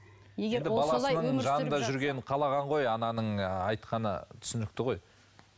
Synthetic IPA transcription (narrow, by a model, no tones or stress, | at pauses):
eend̪ɪbɑlˠɑlsənəɴʒɑnənd̪ɑʒʏɾɡʲe̞nqʰɑlˠɑʁɑɴʁo̞jɑnɑnəɴɑjt̪qɑnə̰t̪ʰʏ̥sɪnɪk̚t̪ɪʁoj